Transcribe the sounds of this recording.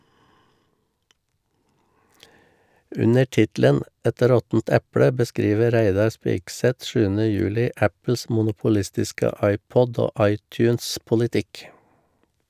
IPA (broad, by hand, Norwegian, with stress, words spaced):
ˈʉnə ˈʈɪtlən ˈɛt ˈɾɔtn̩t ˈɛpɽə bəˈskɾiːʋə ˈɾæɪdɑɾ ˈspɪksɛt ˈʃʉːənə ˈjʉːlɪ ˈæpl̩s mʊnʊpʊˈlɪstɪskə ˈɑɪˌpɔd ˈoː ˈɑɪˌtjʉːnspʊlɪˌtɪk